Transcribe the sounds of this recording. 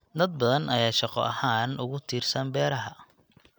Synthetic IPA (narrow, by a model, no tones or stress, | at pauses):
d̪ɐd̪̚bɐðɐnʔɐjaːʃɑqɔ̰ʔɐhaːnʔʊɣʊt̪ʰiːrsɐmbɛːɾɐɦɐ